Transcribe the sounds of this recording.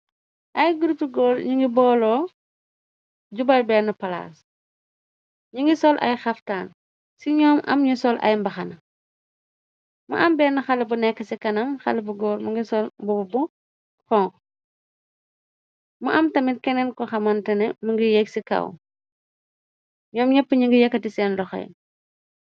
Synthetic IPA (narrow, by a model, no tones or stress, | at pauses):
ʔɐjɡuɾtuɡɔːɾɲuŋɡibɔːlɔː | ɟubɐlbɛːnːɐpɐla̰ːs | ɲuŋɡisɔlʔɐ̰jxɐftaːn | siɲɔːmɐ̰mɲusɔlʔɐ̰jmbɐxɐnɐ | mṵʔɐmbɛːnɐxɐlɐbunɛkːɐsikɐnɐmxɐ̰lɐbuɡɔːɾmuŋɡisɔlbubu | kɔːŋk | muʔɐmtɐmitkɛnɛnkɔxɐmɐntɐnɛmuŋɡijɛksikɐ̰w | ɲɔːmɲɛpːəɲiŋɡijɐkːɐtisɛːnlɔxɐ̰j